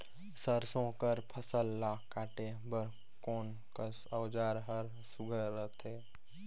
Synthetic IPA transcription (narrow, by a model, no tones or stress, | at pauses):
səɾsõːkəɾpʰəsəlːaːkaːʈe | bəɾ | koːn | kəsəwd͡ʒaːɾɦəɾ | suɡʱəːət̪ʰeː